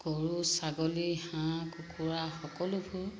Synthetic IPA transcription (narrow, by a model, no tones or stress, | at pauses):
ɡ̥ɔɹusaɡɔlihãkukʰuɹaxɔkɔlʊbʰʊ